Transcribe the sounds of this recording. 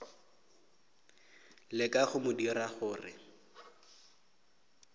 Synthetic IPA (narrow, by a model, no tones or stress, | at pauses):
lɪkʼaχʊmʊdiɾaχʊːrɪ̰